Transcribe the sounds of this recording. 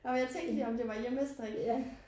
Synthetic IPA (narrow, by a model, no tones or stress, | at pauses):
nɒmjɑ̈ɪt͡sʰeŋd̥əliɒ̽md̥e̝ʋɑ̈jeməsd̥ʁɛɡ̥